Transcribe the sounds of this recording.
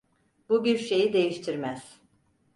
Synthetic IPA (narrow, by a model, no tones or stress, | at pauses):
bubiɾʃe̞jid̪e̞jiʃt̪ʰiɾmæz̥